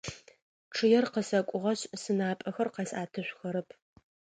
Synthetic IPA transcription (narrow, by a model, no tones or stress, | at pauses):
ʈ͡ʂʰɨjɛrqəsɐkʷʼʊʁɐɕsɨnaːpʼɐxɐrqɑsaːtʰɨɕʷxɐɾɨpʰ